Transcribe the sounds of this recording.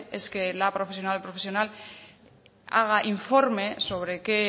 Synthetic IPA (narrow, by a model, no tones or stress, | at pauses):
eskelapɾofesjo̞nalpɾofesjo̞nal | a̰ɣ̞aʔiɱfo̞ɾme̞so̞β̞ɾeke